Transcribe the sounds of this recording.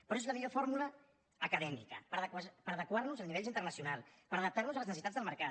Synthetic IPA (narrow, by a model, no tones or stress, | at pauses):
pɾɔezləmiʎofoɾmulə | əkəðɛmḭkəpəɾðkwapəɾəðəkwarnuzəniβɛʎint̪əɾnəsiunalˠpəɾəðəp̚t̪aɾnuzələznəsit̪ad͡zðəlˠməɾkat̪